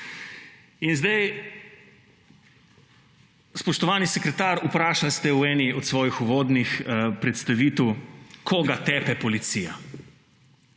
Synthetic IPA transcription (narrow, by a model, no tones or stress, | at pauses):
inzd̪aj | spɔʃt̪ɔʋaːnisɛkɾɛt̪aːɾupɾaːʃalst̪ɛuɛːniɔt̪sʋɔːjixuʋoːd̪nixpɾɛt̪st̪aʋiːt̪əwkʰɔːɡat̪ɛːpɛpɔlit̪sija̰